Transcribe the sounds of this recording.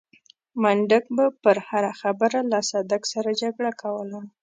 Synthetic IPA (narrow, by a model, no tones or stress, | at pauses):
maɳɖəkbapəɾhaɾaxabəɾalasɑd̪aksaɾad͡ʒaɡɽakʰawəla